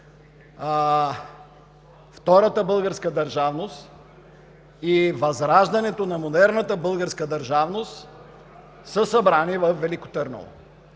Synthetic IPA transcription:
ft̪ɔɾət̪əbɤlˠɡəɾskəd̪ɐɾʒavnost̪ | ivɐzɾaʒd̪ɐnɛt̪onɐmod̪ɛɾnət̪əbɤlˠɡəɾskəd̪ɐɾʒavnost̪ | səsɐbɾanivɐfːɛliko̥t̪əɾno̰lˠo̰

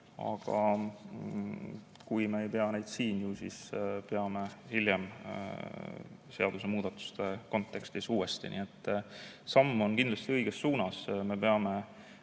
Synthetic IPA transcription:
ɑ̰ɡ̥ɑ̰ | kujme̞ejpe̞ɑne̞jd̪siːnjusispe̞ɑme̞hilʲjem | se̞ɑd̪̥use̞muːd̪̥ɑt̪ːˑu̥st̪e̞ko̞nt̪ːˑe̞kst̪isuːe̞st̪ḭnḭːe̞t̪ːˑsɑmːo̞nkind̪lɑst̪iɤjɡ̥esːuːnɑsme̞pe̞ɑme̞

